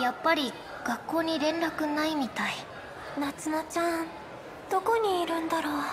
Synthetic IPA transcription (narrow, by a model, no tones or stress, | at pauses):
japːaɾʲi | ɡ̥akːo̞ːɲ̟iɾẽ̞nɾakɯ̟naimʲit̪ai | nat͡sɨnat͡ɕã | d̪̥o̞ko̞ɲ̟iːɾɯ̟̃nd̪aɾoː